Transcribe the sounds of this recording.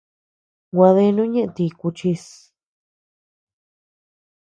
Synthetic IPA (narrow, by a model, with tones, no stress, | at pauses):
ɡʷa˧ðe˧˦˧nũ˦ɲẽ˦ʔt̪i˧ku˧t͡ʃi˧s